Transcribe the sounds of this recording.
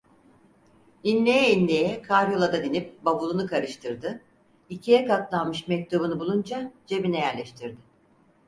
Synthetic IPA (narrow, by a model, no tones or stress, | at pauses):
inlʲejɛinlʲejɛkʰaɾjolˠad̪ad̪inip̚babulˠunukʰaɾɯʃt̪ʰɯɾd̪ɯ | icʰijɛkat̪lˠanmɯʃmɛc̚t̪ʰubunɯbulˠund͡ʒad͡ʒe̞binɛjæɾlʲɛʃt̪ʰiɾd̪ɪ